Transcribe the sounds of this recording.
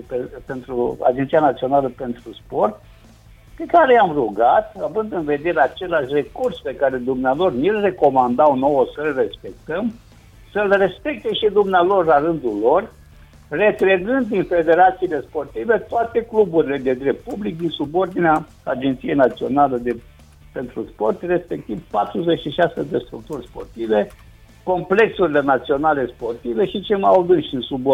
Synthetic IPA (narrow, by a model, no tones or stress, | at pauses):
pepe̞nt̪ɾua̰d͡ʒent̪sijanat̪sio̞naləpe̞nt̪ɾuspo̞rt̪̚ | pe̞kaɾe̞amruɡat̪avɨnd̪ɨnve̞d̪e̞ɾeat͡ʃe̞laʃʲre̞kurspe̞kaɾe̞d̪umnealo̞rnilre̞ko̞mand̪awno̞wəsəlre̞spe̞k̚t̪əm | səlre̞spek̚t̪e̞ʃid̪umnealo̞rlaɾɨnd̪ulo̞r | re̞t̪ɾeɡɨnd̪ːinfe̞d̪e̞ɾat̪siːle̞spo̞rt̪ive̞t̪oat̪e̞klubuɾile̞d̪e̞d̪ɾe̞p̚t̪̚publik̚d̪insubo̞rd̪inea | ad͡ʒent̪sije̞jnat̪sio̞̰naləd̪e̞ | pe̞nt̪ɾuspo̞rt̪re̞spe̞k̚t̪ivpat̪ɾuze̞t͡ʃiʃased̪e̞st̪ɾuk̚t̪urʲspo̞̰rt̪ive̞ | ko̞mple̞ksuɾile̞nat̪sio̞nale̞spo̞rt̪ive̞ʃit͡ʃelmajawd̪ɨnʃd̪insubo